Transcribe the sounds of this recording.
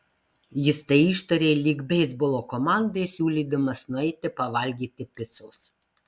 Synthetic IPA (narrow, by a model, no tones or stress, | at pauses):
jɪst̪ɐɪiˑʃt̪ɐɾʲeːlʲiɡbʲɛːzbʊlˠoːkɔmɑˑnd̪ɐɪsʲuːlʲiːd̪ɐmɐsnʊɛɪt̪ʲɪpɐʋɐlʲɡʲiːt̪ʲɪpʲɪt̪sʊs